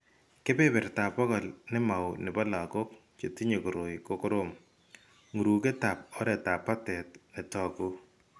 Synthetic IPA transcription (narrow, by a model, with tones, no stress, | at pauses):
kɪ˦pe˦bɪ˨rta˨pɔ˦kɔ˨lnɪ˦ma˨wnɪ˨ba˦la˨ko˦k̚ | t͡ʃe˨ti˦ɲe˨ku˨ɾo˨jko˦kʊ˦ɾʊm | ŋu˨ɾu˨ke˦ta˨p̚ɔ˦ɾɛ˨ta˨pːa˦tɛ˨t̚nɪ˨tɔ˦ku˦